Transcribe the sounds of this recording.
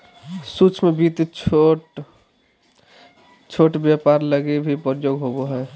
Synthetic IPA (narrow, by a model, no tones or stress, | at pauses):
sut͡ʃʰmebit̪t͡ʃʰʈ | t͡ʃʰoːʈbjapaɾləɡebʱipəɾjoːɡɦoboɦɛː